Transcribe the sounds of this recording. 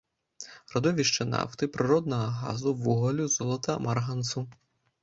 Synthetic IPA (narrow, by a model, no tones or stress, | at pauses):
rɔd̪ɔʋʲiʂt͡ʂɛna̰wt̪ɨpɾɨɾɔd̪nɐɣɐɣa̰zuwuɣɐlʲuzɔlˠɐt̪ɐmarɦɐnsu